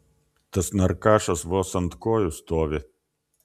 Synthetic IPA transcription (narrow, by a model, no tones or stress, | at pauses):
t̪ɐsnʲɐɾkɑːʃɐsʋoːsɐnt̪koːjʊst̪oːʋʲɪ